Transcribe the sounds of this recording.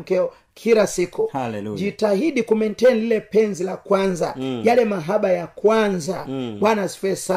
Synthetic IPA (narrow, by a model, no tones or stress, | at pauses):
kɛɔ | kʰilasikud͡ʒitahiɗikumɛntɛnlilɛpɛnzilakwanzajalɛmaɦaɓajakwanzawanasfɛsa